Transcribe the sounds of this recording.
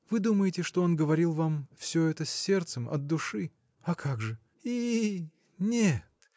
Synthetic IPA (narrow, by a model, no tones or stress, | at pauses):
vɨd̪uməjɪtʲɪʂt̪oonɡəvɐɾʲilˠvamfsʲɵɛt̪əsʲːe̞rt̪səmɐ̰d̪̚dːʊʂɨ | ɐkʰaɡʐɨ | i | nʲet̪